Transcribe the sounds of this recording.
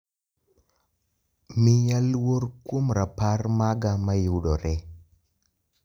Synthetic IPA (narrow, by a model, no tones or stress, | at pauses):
miɲalworkwomɾaparmaɡamajudɔɾɛ